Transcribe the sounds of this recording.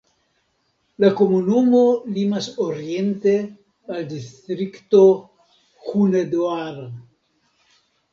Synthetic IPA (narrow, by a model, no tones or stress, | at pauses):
lakomunumolimasoɾient̪e | ald̪ist̪ɾikt̪o | xuned̪oaɾ